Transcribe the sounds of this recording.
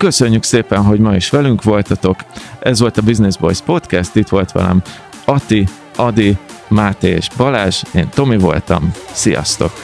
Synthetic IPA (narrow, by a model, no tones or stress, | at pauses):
kø̞sø̞ɲːykseːpɛnɦo̞ɟmɒiʃʋɛlyŋkʋo̞lt̪ɒt̪o̞kɛzʋo̞lt̪ɒbiznezbo̰jspo̞t̪kɛst̪it̪ʋo̞lt̪ʋɒ̰lɛ̰m | ɒt̪i | ɒd̪imaːt̪eːʒbɒlaːʒeːnt̪o̞mivo̞̰lt̪ɒ̰msijɒ̰st̪o̞̰k